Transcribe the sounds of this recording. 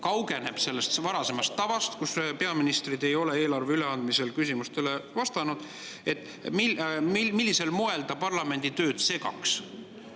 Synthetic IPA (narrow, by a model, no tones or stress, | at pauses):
kɑwɡ̥e̞ne̞b̥se̞lːest̪vɑɾɑse̞mɑst̪ːɑvɑst̪kuspe̞ɑminist̪rid̪e̞jo̞le̞e̞ːlɑrveyle̞ɑnd̪mise̞lkysʲimust̪e̞levɑst̪ɑnud̪̥ | e̞t̪ːˑ | mimimilːise̞lmoe̞ld̪ɑpɑrlɑme̞nʲd̪̥it̪ø̞ːd̪̥se̞ɡɑ̰ks